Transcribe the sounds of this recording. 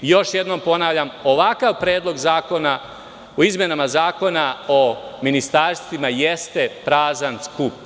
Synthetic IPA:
jo̞ʃje̞d̪no̞mpo̞naʋʎamo̞ʋakaʋpɾe̞ːd̪lˠo̞ɡzaːko̞na | oizmjenamazaːko̞naominist̪aɾst̪ʋimajest̪e̞pɾaːzanskup̚

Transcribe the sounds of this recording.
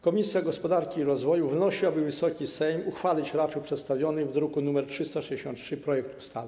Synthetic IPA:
kɔmʲisʲjaɡɔspɔd̪aɾkʲiːɾɔzvɔjuvnɔɕiabɘvɘsɔkʲisɛjmuxfalʲit͡ɕɾat͡ʂupʂɛt̪st̪avʲjɔnɘvd̪ɾukunumɛɾtʂɘst̪aʂɛd͡ʑd͡ʑɛɕɔ̃nt̪tʂɘpɾɔjɛk̚t̪u̥st̪alɛ

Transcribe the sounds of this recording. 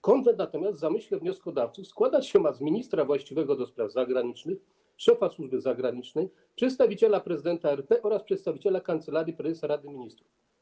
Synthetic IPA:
kɔnd̪ɛnat̪ɔmʲjast̪zamɘɕlɛvɲɔskɔd̪aft̪sufskwad̪at͡ɕɕɛmazmʲiɲist̪ɾavwaɕt͡ɕivɛɡɔd̪ɔspɾavzaɡɾaɲit͡ʂnɘx | ʂɛfaswuʐbɘzaɡɾaɲit͡ʂnɛj | pʂɛt̪st̪avʲit͡ɕɛlapɾɛzɘd̪ɛnt̪aɛɾpɛʔɔɾaspʂɛt̪st̪avʲit͡ɕelakant̪sɛlaɾjipɾɛzɛsaɾad̪ɘmʲiɲist̪ɾuf

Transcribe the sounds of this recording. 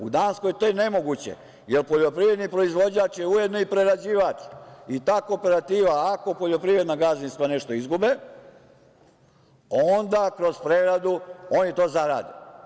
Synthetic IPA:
ṵd̪aːnsko̞jt̪ojene̞mo̞ɡut͡ɕḛ | jelpoʎo̞pɾiʋɾe̞d̪nipɾo̞izʋo̞d͡ʑaːt͡ʃjeuje̞d̪noipɾe̞ɾad͡ʑiːʋaːt͡ʃit̪aːkoːpe̞ɾat̪iːʋaːko̞po̞ʎo̞pɾiʋɾed̪naɡazinst̪ʋane̞ʃt̪o̞izɡube | ond̪akɾo̞zpɾeɡɾad̪uo̞ːnjet̪o̞ːzaɾa̰ːd̪i

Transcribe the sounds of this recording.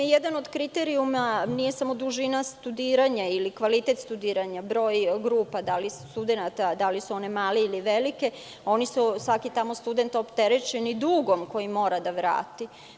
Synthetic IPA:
jed̪ano̞d̪kɾit̪eɾiumanije̞samo̞d̪uʒinast̪ud̪iːɾaɲailikʋalit̪et̪st̪ud̪iːɾaɲabɾo̞ːjɡɾuːpad̪alisst̪ud̪enat̪ad̪alisuo̞ne̞maːleiliʋelike̞ | o̞nisusʋakit̪amo̞st̪ud̪e̞nt̪opt̪e̞ɾet͡ʃenid̪uːɡo̞mko̞jimo̞ːɾad̪aʋɾa̰ːt̪i

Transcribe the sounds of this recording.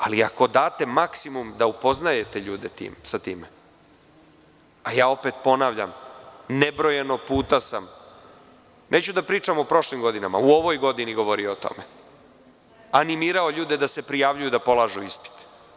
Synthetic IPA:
aliako̞d̪aːt̪e̞maksimumd̪aupo̞znaje̞t̪eʎuːd̪et̪ḭːmsat̪ḭːme | ajaːo̞pe̞t̪po̞naːʋʎa̰mnebɾo̞jenopuːt̪asam | neːt͡ɕud̪apɾiːt͡ʂamopɾo̞ʃlimɡo̞d̪inama̰uo̞ʋojɡo̞d̪iniɡo̞ʋo̞ɾiot̪o̰me | animiːɾaoʎuːd̪e̞d̪ase̞pɾijaʋʎujud̪apo̞laːʒuispi̥t̪

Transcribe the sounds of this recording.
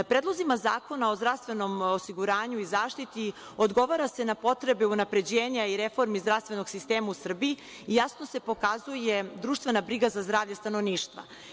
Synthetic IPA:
pɾedlˠozimazaːko̞nao̞zd̪ɾavst̪ʋe̞no̞mosiɡuɾaːɲuizaːʃt̪it̪i | od̪ɡo̞ʋaɾase̞napo̞t̪ɾe̞beunapɾe̞d͡ʑeːɲaiɾefo̞ɾmizd̪ɾaʋst̪ve̞no̞ɡ̥sist̪eːmausr̩biː | jasno̞se̞po̞kazuje̞d̪ɾuːʃt̪ʋe̞nabɾiɡazazd̪ɾaːʋʎast̪anoʋniːʃt̪ʋa̰

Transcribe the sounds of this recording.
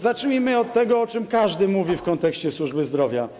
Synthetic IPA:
zat͡ʂɲimɘɔt̪ːɛɡɔɔt͡ʂɘmkaʐd̪ɘmuvʲifkɔnt̪ɛkɕt͡ɕɛswuʐbɘzd̪ɾɔvʲja

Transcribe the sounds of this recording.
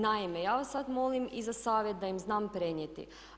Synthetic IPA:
naimejaːʋasːad̪mo̞limizasaːʋjet̪̚d̪ajimznaːmpɾeɲjet̪ḭ

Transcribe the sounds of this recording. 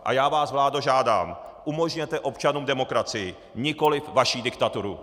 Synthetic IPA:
ʔa̰jaːvaːsvlaːdoʒaːda̰ːmʔumo̞ʒɲɛt̪ɛʔo̞pt͡ʃanuːmdɛmo̞kɾat͡sɪjɪ | ɲɪko̞lɪfvaʃiːdɪkt̪at̪uɾu

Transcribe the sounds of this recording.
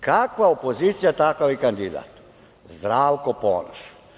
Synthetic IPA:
kakvaɔpɔzit̪sijat̪akaʋikand̪id̪a̰t̪ | zd̪ɾawkɔpɔ̰nɔʃ

